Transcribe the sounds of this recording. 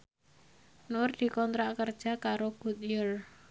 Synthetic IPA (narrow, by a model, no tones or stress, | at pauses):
nʊrd̪̥i̤kɔnt̪ɾaʔkərd̥ʒ̥a̤kaɾoɡ̥ut̪̚jər